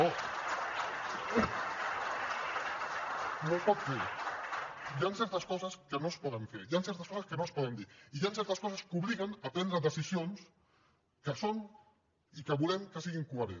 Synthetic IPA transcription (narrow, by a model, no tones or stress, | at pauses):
o | nospɔt̪feɾ | jansɛɾt̪əskɔzəskənospɔðəɱfeɾjansɛɾt̪əɐskɔsɐskənospɔðənd̪iɾijansɛɾt̪əskɔsəskuβliɣənapɾɛnd̪ɾəðəsisions | kəson | ikəβulɛmkəsiɣiŋkuəɾḛ